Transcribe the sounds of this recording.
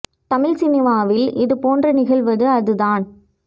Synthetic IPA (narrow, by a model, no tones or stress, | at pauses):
t̪ɐmɪlsɪnɪʋaːʋɪlɪðɯpoːndrɐnɪɣɐɭʋɐðɯɐðɯðaːn